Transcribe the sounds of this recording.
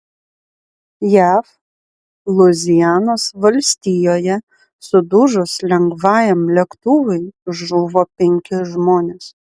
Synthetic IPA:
jæːf | lˠʊzʲɪjæːnoːsʋɐlʲsʲt̪ʲiːjoːjɛ | sʊd̪ʊʒʊslʲɛŋɡʋɑːjɛmlʲɛkt̪ʊʋɐɪʒʊʋoːpʲɛŋʲkʲɪʒmoːnʲɛs

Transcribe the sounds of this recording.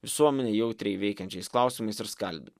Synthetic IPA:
ʋʲɪsuɔmʲɛnʲejɛʊt̪ʲɾʲɛɪʋʲɛɪkʲɛnʲt͡ʃʲɛɪsklˠɑˑʊsʲɪmɐɪsɪɾskɐlʲbʲɪ

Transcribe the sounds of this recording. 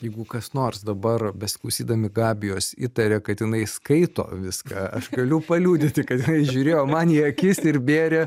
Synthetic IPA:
jɛɪɡʊkɐsnoːrsd̪ɐbɐrbʲɛsʲɪ̥klˠɐʊsʲiːd̪ɐmʲɪɡɑːbʲɪjoːsḭt̪ɐɾʲɛkɐt̪jɪnɐɪskɐɪt̪o̰ːʋʲɪskɑɐʃɡɐlʲʊpɐlʲuːd̪ʲɪt̪ʲɪkɐt̪jɪnɐɪʒʲuːɾʲeːjoːmɐniɐkʲɪsʲɪɾbʲeːɾʲɛ

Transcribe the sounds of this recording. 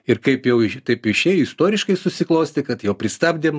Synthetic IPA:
ɪɾkɐɪpjɛʊɪʃt̪ɐɪpɪʃʲeːjʊɪst̪oːɾʲɪʃkɐɪsʊsʲɪklˠɐʊsʲt̪ʲɪkɐt̪jɛʊpʲɾʲɪst̪ɐːbʲd̪ʲem

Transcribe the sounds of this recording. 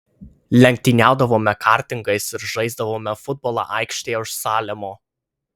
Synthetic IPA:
lʲɛŋʲk̚ʲt̪ʲɪnʲæˑʊd̪ɐʋoːmʲɛkʰɑːˑɾʲt̪ʲɪŋɡɐɪsɪɾʒɐɪzd̪ɐʋoːmʲɛfʊd̪̚bɔːlˠɑ̰ːʔɑˑɪkʃʲt̪ʲeːʊʃsɑːlʲɛmoː

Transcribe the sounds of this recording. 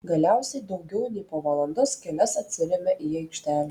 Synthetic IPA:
ɡɐlʲæˑʊsʲɛɪd̪ɒʊɡʲɛʊnʲɛɪpoːʋɐlˠɐnd̪ɐskʲɛlʲɛsɐt̪ʲsʲɪɾʲɛmʲɛʔiɐɪkʃʲt̪ʲæːlʲ

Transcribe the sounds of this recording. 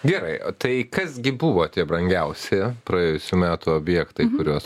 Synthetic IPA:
ɡʲɛɾɐɪt̪ɐɪkɐsɡʲɪbuʋoːt̪ʲiɛbɾɐŋʲɡʲɛʊsʲepɾɐeːjʊsʲuːmʲæːt̪uoːbʲjɛːkt̪ɐɪkʊɾʲuɔs

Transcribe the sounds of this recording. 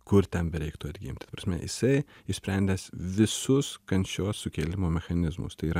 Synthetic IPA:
kʊɾt̪ʲɛnbʲɛɾʲɛɪkt̪uɐd̪ʲɡʲɪ̰mʲt̪ʲt̪ɐpɾɐsʲmʲɛ̰jɪ̰sɐɪɪʃsʲpʲɾʲɛnʲd̪ʲɛsʋʲɪsʊskɐnʲʃʲoːssʊkʲeːlʲɪmoːmʲɛxɐnʲɪzmʊ̰st̪ɐɪiːɾɐ

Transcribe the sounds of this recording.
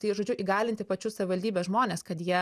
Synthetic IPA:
t̪ɐɪʒoːd͡ʒʲʊʔiːɡɑːlʲɪnt̪ʲɪpɐt͡ʃʲʊsɐʋʲɪʋɐlʲd̪ʲiːbʲɛsʒmoːnʲeːskɐt̪jiɛ

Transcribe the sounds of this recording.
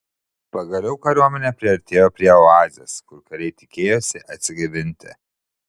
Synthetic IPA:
pɐɡɐlʲɛʊkɐɾʲuɔmʲɛnʲɛpʲɾʲɪɐɾʲt̪ʲeːjoːpʲɾʲiɛɑːzʲḛskʊɾkɐɾʲɛɪt̪ʲɪ̥kʲeːjoːsʲɪʔɐt̪ʲsʲɪɡʲɐbʲɪnʲt̪ʲɪ̰

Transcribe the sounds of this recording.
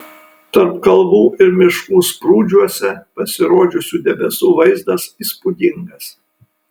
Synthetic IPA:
t̪ɐɾpkɐlˠʋuːɪɾmʲɪʃkuːspɾuːd͡ʒʲuɔsʲɛpɐsʲɪɾoːd͡ʒʲʊsʲuːd̪ʲɛbʲɛsuːʋɐɪzd̪ɐsispʊd̪ʲɪŋɡɐs

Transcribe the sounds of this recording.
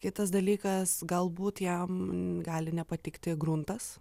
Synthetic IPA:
kʲɪt̪ɐs̬d̪ɐlʲiːkɐsɡɐlˠbuːt̪jɛmɡɑːlʲɪnʲɛpɐt̪ʲɪkt̪ʲɪɡɾʊnt̪ɐs

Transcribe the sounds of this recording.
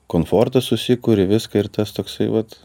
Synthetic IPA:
koːnfoːrt̪ɐssʊsʲɪkuːɾʲɪʋʲɪskɐɪɾt̪ɐst̪oːksɐɪʋɐt̪

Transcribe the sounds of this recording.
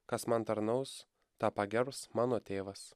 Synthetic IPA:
kɐsmɐnt̪ɐɾnɐʊs | t̪ɑːpɑɡʲɛɾpsmɑːnoːt̪ʲeːʋɐs

